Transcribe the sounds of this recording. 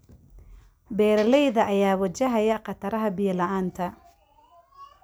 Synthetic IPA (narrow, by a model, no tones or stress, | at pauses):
bɛːɾɐlɛjðɐʔɐjaːwɐt͡ʃɐɦɐjɐqɑt̪ʰɐɾɐɦɐbɪjɐlɐʔaːnt̪ʰɐ